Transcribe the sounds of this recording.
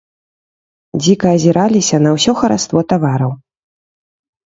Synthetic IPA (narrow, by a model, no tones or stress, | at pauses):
d͡zʲikɐɐzʲiɾalʲisʲɐnɐwsʲɔxɐɾa̰st̪vɔt̪avaɾɐw